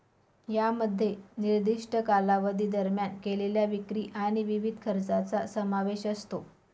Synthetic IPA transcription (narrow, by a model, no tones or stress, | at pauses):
jaməd̪ʱːjeniɾd̪iʂʈəkalaʋəd̪iːd̪əɾmjankeleljaʋikɾiːʔaɽ̃iʋiʋid̪ʱkʰəɾt͡sat͡sasəmaʋeɕəst̪o